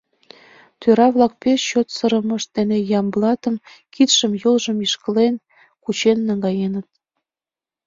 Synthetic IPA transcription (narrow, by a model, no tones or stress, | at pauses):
t̪øɾɑβlɑk̚peʃɕot̪sɤ̆ɾə̆mɤ̆ʃt̪enejɑmblˠɑt̪ə̆mkit̪ʃəmjɤlʒəmiʃkə̆len | kut͡ɕenːɑŋɡɑjenə̆t̪̚